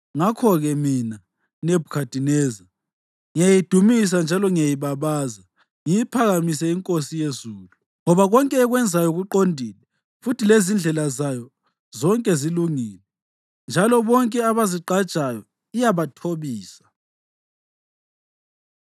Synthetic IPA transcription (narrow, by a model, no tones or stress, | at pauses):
ŋakʰɔɣɛmina | nebʱukʰad̥ʱinɛːza | ŋijajid̥ʱumis̬and͡ʒʱalɔŋijajiβaβaːza | ŋijipʰaɣamisɛiŋkʼosijezuːlu | ŋɔβaɣɔŋkʼɛːɣwɛnd͡zʱajɔɣuǃondʱilɛ | futʰilezind͡ɮʱɛlazajɔ | zɔŋkʼɛziluŋiːlɛ | nd͡ʒʱalɔβɔŋkʼɛaβaziǃad̥t͡ʃʼajɔ | ijaβatʰoβiːsḁ